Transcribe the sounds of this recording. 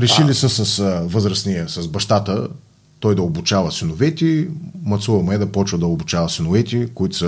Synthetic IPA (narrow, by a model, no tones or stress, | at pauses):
ɾɛʃilisəsɐsvɤzɾəsnʲiəsɐsbɐʃt̪at̪ə | t̪ɔjd̪ɐobut͡ʃavəsinʊvɛt̪ʲimɐt̪suvɐmɛd̪ɐpɔt͡ʃvəd̪ɐobut͡ʃavɐsinʊvɛt̪ʲikʊit̪ʊ̥sə